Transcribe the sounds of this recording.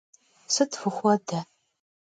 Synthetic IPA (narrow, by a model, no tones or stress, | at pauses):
sɨtfɨχʷɐdɐ